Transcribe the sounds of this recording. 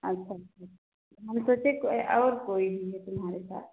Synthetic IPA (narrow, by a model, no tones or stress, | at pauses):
ɐtːʃʰaɐtt͡ʃʰatt͡ʃʰ | aɦɐmsot͡ʃekʔɔːɾkoːibʱiɦɛt̪ʊmɦaːɾesa̰ːt̪̚ʰ